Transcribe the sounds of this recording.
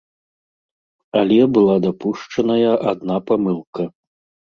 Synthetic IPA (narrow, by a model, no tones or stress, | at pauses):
alʲɛbɨlˠad̪apuʂt͡ʂɐnɐjɐʔad̪napamɨlˠkɐ